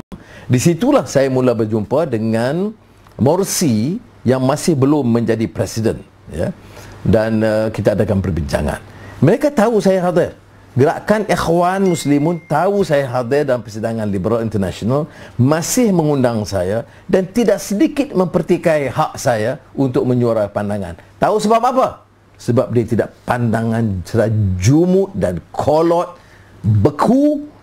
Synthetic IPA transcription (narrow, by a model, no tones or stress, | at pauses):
disit̪ulahsajamulabərd͡ʒumpadəŋan | mɔrsi | jaŋmãsɪhbəlʊmːə̃ɲd͡ʒadipɾɛsidən | ja̰danəkit̪aːdakanpərbiɲd͡ʒa̰ŋa̰nməɾekat̪ausajaɦad̪ɪr | ɡəɾaʔkanʔexwanmuslimʊnt̪ausajaɦad̪ɪrdalampərsidaŋãnlibəɾalint̪ərna̰sonalmãsɪhmə̃ŋundaŋsaja | dant̪idaʔsədikɪt̪̚mə̃mpərt̪ikajhaʔ̚sajaunt̪ʊk̚məɲuaɾapandaŋa̰nt̪ausəbap̚apa | səbap̚diat̪idaʔpandaŋansəɾad͡ʒumʊt̪̚dankʰolɔt̪̚ | bəkʰu